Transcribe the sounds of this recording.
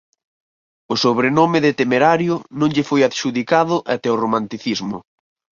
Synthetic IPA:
ʊsoβɾenomɪðet̪emeɾaɾjʊnõŋʎɪfojaðʃuðikaðʊʔat̪ɛoromãnt̪iθizmʊ̰

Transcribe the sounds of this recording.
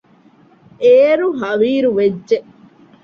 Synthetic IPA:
eːɾuɦɐʋiːɾuʋedʒeʔ

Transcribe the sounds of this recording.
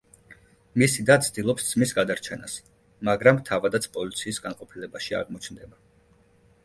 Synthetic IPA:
misid̪ant̪sʰd̪̥ilˠɔpst̪z̥misɡad̪aɾt͡ʃʰɛnas | maɡɾamt̪ʰavad̪at̪sʰpʼɔlit̪sʰiːsɡanqʼɔpʰilɛbaʃia̰ʁmɔt͡ʃʰnd̪ɛba

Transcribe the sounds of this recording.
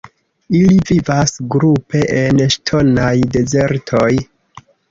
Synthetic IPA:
ilivivasɡɾupʰe̞ʔenʃtʰo̞najde̞ze̞ɾtʰo̞j

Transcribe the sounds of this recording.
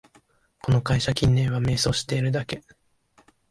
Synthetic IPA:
ko̞no̞kaiɕakʲĩnːẽ̞ɰ̃βame̞ːso̞ːɕi̥t̪e̞iɾɯ̟d̪ake̞

